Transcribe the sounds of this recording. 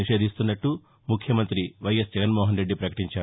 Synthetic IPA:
iʂeːd̪ist̪unːɐʈːu | mukʰjɐmɐnt̪ɾiʋɐjesd͡ʒɛɡɐnmoːɦɐnɾe̞ɖːipɾɐkɐ̥ʈiɲt͡ʃaː

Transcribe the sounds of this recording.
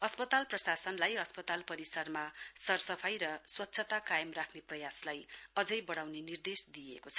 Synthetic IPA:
ʌspʌt̪alprʌsasʌnlajɦʌspʌt̪alpʌɾisʌrmasʌrsʌpʰajɾʌswʌtːsʰʌt̪akajʌmrakʰneprʌjaslajʌd͡zʌjbʌɽawnenird̪esd̪iḛkot͡sʰʌ

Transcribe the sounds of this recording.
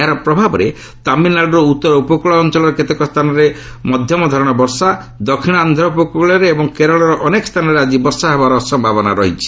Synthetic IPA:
ɦaɾɔpɾɔbʱabɔɾe | t̪aminlaɖɔɾɔut̪ːɔɾɔupɔkuɭɔːnt͡ʃɔlɔɾeket̪ekɔst̪ʰanɔɾe | mɔd̪ʱjɔmɔd̪ʱɔɾɔɽ̃ɔbɔɾsa | d̪ɔkʰiɽ̃ɔand̪ʱɔɾɔupɔkuuɭɔɾeːbɔŋkeɾɔɭɔɾɔʔɔnekɔst̪ʰanɔɾead͡ʒibɔɾsaɦebaɾɔsɔmbʱabɔna̰ɾɔɦit͡ʃʰi̥

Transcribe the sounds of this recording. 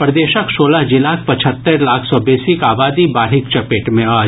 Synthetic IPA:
pɾɐd̪eːʃəksoːlaɦd͡ʒɪlaːkʰpɐt͡ʃʰət̪ːəɾlaːkʰsɔbɛːsikaːbaːd̪ibaːɾɦɪkt͡ʃɐpeːʈmẽaː

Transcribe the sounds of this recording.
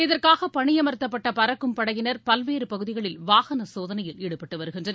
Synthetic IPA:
ɪðɐrkaːɣɐpɐɳɪjɐmɐɾɯt̪ːɐpːɐʈːɐpɐɾɐkːɯmpɐɽɐɣɪnɐɾpɐlʋeːɾɯpɐɣɯðɪɣɐɭɪlʋaːɣɐnɐsoːðɐnɐjɪlɛɽɯpːɐʈːɯʋɐɾɯɣɪndrɐnɐ

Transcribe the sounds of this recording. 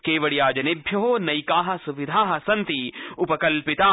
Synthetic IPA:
keːʋɐɽijaːd͡ʒɐnɪbʱjɐɦoːnɐikaːɦɐ̆suʋɪd̪ʱaːɦɐsɐnt̪iʊpɐkɐlpɪt̪aː

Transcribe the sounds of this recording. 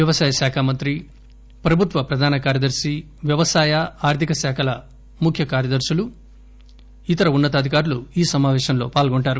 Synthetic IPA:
ʋjɐʋɐsaːjɐsaːkʰaːmɐnt̪ɾi | pɾɐbʱut̪ʋɐpɾɐd̪ʱaːnɐkaːɾjɐd̪ɐɾsi | ʋjɐʋɐsaːjɐaːɾt̪ʰikɐsaːkʰɐlɐ | mukʰjɐkaːɾjɐd̪ɐɾsulu | it̪ɐɾɐunːɐt̪̬ɐd̪ʱikaːɾuluiːsɐmaːʋɛːʃɐnlo̞ːpaːlɡoɳʈaːɾu

